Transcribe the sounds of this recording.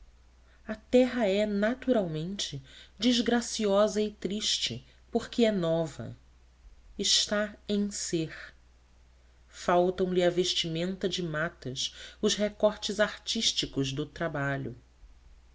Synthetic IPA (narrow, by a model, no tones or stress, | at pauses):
ɐt̪ɛɦɐɛnat̪uɾawmẽnt͡ʃɪd͡ʒizɡɾasiɔzɐɪt̪ɾiʃt͡ʃɪ̰ | poχkɪɛnɔvɐ̰ | ɪʃt̪aẽj̃seχ | fawt̪ɐ̃w̃lɪɐveʃt͡ʃimẽnt̪ɐd͡ʒɪmat̪ɐsʊʃɦekɔɾt͡ʃɪzaɾt͡ʃiʃt͡ʃikʊzd̪ʊt̪ɾabaʎʊ̰